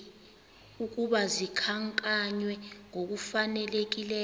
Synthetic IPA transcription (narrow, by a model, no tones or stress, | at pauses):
uk̬uɓazikʰaŋkʼaɲwɛŋok̬ufanɛlek̬ilɛː